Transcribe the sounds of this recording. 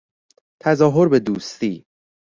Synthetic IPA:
t̪ʰæzɒːɦoɾbe̞d̪uːst̪iː

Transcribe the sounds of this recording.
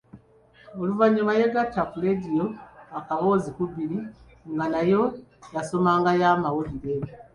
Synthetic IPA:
oluvaɲumajeɡatːafuledijoakaβo̞ːzikuβiɾi | ŋɡanajo̞jaso̞maːŋɡajaːmawoβiɾeβe

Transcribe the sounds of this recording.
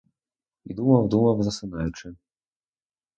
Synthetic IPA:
ḭd̪umɐwd̪umɐwzɐsɪnɑjʊt͡ʃɪ

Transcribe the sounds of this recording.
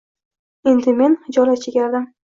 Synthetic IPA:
e̞nd̪ɪme̞nhɪd͡ʒɒlat͡ʃʰeɡʲaɾd̪ɪm

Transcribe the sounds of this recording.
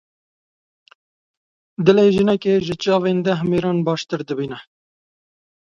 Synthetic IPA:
d̪ɨleːʒənɛkeːʒɪt͡ʃɑːveːnd̪ɛɦmeːɾɑːnbɑːʃt̪ɨɾd̪ɨbiːnɛ

